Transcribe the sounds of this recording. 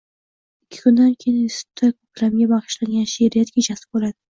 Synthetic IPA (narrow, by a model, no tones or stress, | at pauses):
ɪkʲʰːɪ̥kʰʊnd̪ankʲʰejɪnɪsɪ̥tt̪ʰːakʰɵpʲlamɡʲabɑχɨ̥ʃlaŋɡʲanʃeɾijat̪̚kʲet͡ʃʰasɪ̥bolad̪̥ɪ